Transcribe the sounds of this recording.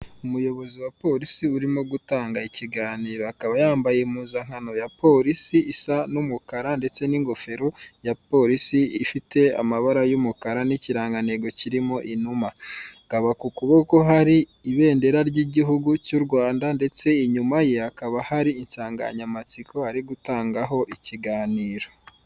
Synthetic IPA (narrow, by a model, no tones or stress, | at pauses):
umujo̞βo̞ziwapo̞ɾisiuɾimoɡutaːŋɡaiciɡaːniːɾo̞akaβajaːmbajemuːzaŋ̥hano̞japo̞ɾisiisanumukaɾande̞t͡se̞niŋɡo̞fe̞ɾojapo̞ːɾisiifite̞a̰maβaɾajumukaɾaniciɾaːŋɡaneɡo̞ciɾimo̞ʔinumaɡ̥aβakukuβo̞ko̞ɦaɾiːβe̞ːnde̞ɾaɾɟiɟiɦuɡucuɾɡwaːndande̞t͡se̞iɲumajeakaβahaɾiinsaːŋɡa̰ɲamat͡sikʰo̞aɾiɡutaːŋɡaɦo̞ʔiciɡaːniːɾo̞